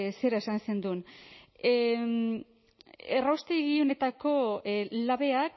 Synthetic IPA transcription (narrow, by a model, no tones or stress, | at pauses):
se̞ɾae̞sanse̞nd̪un | erawst̪eɣiune̞t̪ako̞laβe̞ak